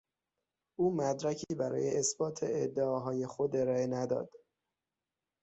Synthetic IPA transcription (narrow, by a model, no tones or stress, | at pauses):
ʔuːmæd̪ɾæcʰiːbæɾɒ̰ːjeʔesbɒːt̪ʰeːd̪ːeɒːɦɒːje̞xo̞d̪e̞ɾɒːe̞næd̪ɒ̰ːd̪̥